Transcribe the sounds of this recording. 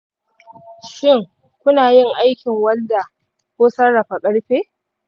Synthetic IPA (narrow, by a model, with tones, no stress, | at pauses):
ʃɪ˦˨ŋ | kʷʊ˦naː˨jɪ˦ŋʔa˦jkʲɪ˨ŋwɐ˦nda˨ | kʷoː˦sɐ˦rːa˨ɸa˨kʼɐ˦ɽɸeː˦